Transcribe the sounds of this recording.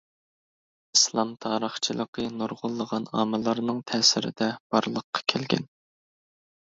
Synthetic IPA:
islˠɑmt̪ʰɑːɾəχt͡ʃʰilˠəqʰənuɾʁʊlˠːəʁɑnɑ̰ːmɨlˠɑɾnɨŋt̪ʰɛːsɪɾɪ̰d̪ɛb̥ɑɾlˠəqʰːɑ̥kʲʰælɡʲɛ̰n

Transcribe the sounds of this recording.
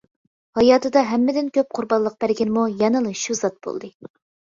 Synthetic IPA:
hɑjɑːt̪ɨd̪ɑɦɛmːɪd̪ɪnkʲøp̚qʰʊɾbɑnlˠəq̚b̥æɾɡʲɛnmujɛnɨlˠɨʃuzɑt̪̚b̥o̰lˠd̪ɨ

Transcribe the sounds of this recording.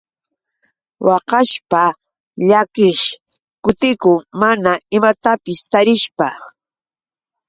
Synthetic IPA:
wɑqɑʃpa | ʎakɪʃ | kʊt̪ɪkʊŋmanaɪmat̪apɪst̪aɾɪʃpa

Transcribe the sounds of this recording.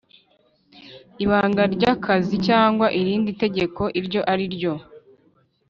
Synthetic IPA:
iβaːŋɡaɾɟaːkʰazicaːŋɡwaʔiɾiːndite̞ɟe̞ko̞ʔiɾɟo̞ʔaɾiɾɟo̞

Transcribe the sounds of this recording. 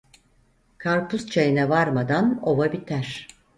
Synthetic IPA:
kʰaɾpʰust͡ʃʰajinɛvaɾmad̪ano̞vabit̪ʰæɾ̥

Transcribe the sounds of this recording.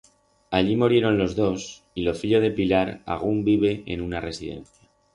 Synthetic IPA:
aʎimuɾje̞ɾo̞nlo̞zðo̞s | ilo̞fiʎo̞ð̞e̞pilaɾa̰ɣ̞umbiβe̞ḛnunare̞siðe̞̰nθja

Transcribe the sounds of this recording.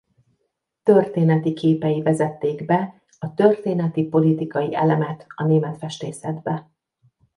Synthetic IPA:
t̪ø̞rt̪eːnɛt̪ikeːpɛjivɛzɛt̪ːeːɡbɛ | ɒt̪ø̞rt̪eːnɛt̪ipo̞lit̪ikɒjiɛlɛmɛt̪ɒneːmɛt̪fɛʃt̪eːsɛd̪bɛ

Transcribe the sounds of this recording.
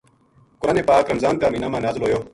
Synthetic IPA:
kʊɾaːneːpaːkɾɐmzaːnk̪aːmiːnaːmaːnaːzɪlɦoːjoː

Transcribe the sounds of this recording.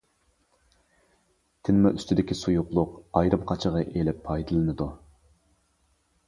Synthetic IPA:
t̪ʰɪnmɑʔyst̪ʰɪd̪ɪkʲisujʊqlˠʊqɑjɾɨmqʰɑt͡ʃʰəʁɑʔelɪpʰːɑjd̪ɨlˠɨnɨd̪u

